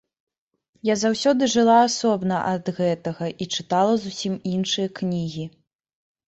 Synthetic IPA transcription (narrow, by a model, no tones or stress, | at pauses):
jazawsʲɔd̪ɨʐɨlˠaːsɔbnɐʔɐd̪ɣɛt̪ɐɣɐʔit͡ʂɨt̪alˠɐzusʲiminʂɨjɐknʲiɣʲi